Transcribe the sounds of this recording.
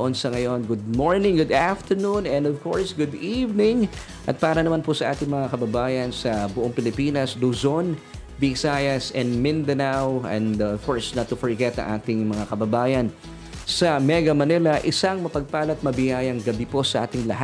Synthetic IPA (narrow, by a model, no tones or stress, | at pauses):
ʔonsɐŋɐjo̞nɡʊd̪̚moɹnɪ̃ŋɡʊd̪aft̪ʰəɹnunɛ̃nd̪ɔvkoɹsɡʊd̪ivnɪ̃ŋ | ʔɐt̪̚paːɾɐnɐmanpʊsɐʔaːt̪ɪŋmɐŋakɐbɐbaːjɐnsɐbʊʔoŋpɪlɪpinɐsluzon | bɪsajɐsɛ̃nmɪ̃nd̪ɐnawɛ̰̃nd̪fɔɹsnɐt̪ːʊfɔɹɡɛt̪ɐ̰ŋʔaːt̪ɪŋmɐŋakɐbɐbaːjɐn | sɐmɛɡɐmɐnɪlɐʔɪsaŋmɐpɐɡ̚paːlɐt̪̚mɐbɪjaːjɐŋɡɐbipo̞sɐʔa̰ːt̪ɪŋlɐ̰ha